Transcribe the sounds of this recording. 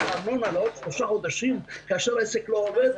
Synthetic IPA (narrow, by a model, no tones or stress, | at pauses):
amonalot̪ʃloʃaχod̪aʃimkaaʃeʁaeseklooved̪